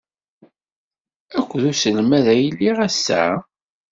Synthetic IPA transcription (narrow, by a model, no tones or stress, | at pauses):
ækʷːðusəlmæðæjlːiʁæsːæ̰